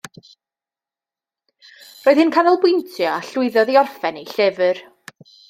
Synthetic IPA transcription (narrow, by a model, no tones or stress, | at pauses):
roːɨð̥hɪnkʰanɔlˠbʊjntʰjɔaɬʊɨðɔðiɔrfɛnejɬɪvər